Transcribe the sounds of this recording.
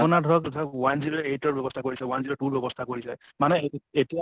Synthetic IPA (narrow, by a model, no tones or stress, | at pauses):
ɔnadʱɔɹɔktʰawanzietɔɹbjɔbɔstʰakoɹisɛwanziɔʈuɹbɔbɔst̪ʰakoɹisɛ | manɛetia